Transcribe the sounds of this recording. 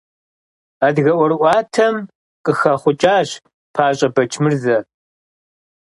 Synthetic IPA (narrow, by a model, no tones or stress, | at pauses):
aːdɣɐʔʷɔɾʔʷɑːtʰɐm | qʼəxɐχʷʊt͡ʃʼaːɕ | pʰaːɕʼɐbɐt͡ʃʰmɨrzɐ